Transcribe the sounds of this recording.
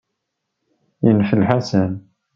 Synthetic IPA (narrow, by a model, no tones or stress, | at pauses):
jənfəlħasæn